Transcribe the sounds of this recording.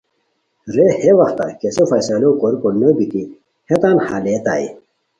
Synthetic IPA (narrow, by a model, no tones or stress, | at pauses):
ɾeheʋɐxt̪a̰kesofɐsɐlokoɾkonəbit̪i | het̪aːnhalet̪a̰ḭ